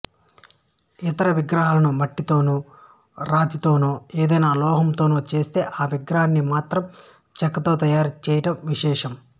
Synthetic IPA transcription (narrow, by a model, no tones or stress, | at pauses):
it̪ɐɾɐʋiɡɾɐɦaːlɐnumɐʈːit̪o̞ːnu | ɾaːt̪it̪o̞ːnuːeːd̪ɐjnaːlɔːɦɐmt̪oːnuːt͡ʃe̞ːst̪e̞ːʔaːʋiɡɾɐɦanːimaːt̪ɾɐm | t͡ʃɛkːɐt̪oːt̪ɐjaːɾt͡ʃɛːjɐʈɐmʋiʃɛːʂɐm